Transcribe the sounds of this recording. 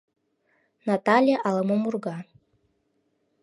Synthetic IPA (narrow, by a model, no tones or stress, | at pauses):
nat̪ɑlʲjeʔɑlˠɤmomurɡɑ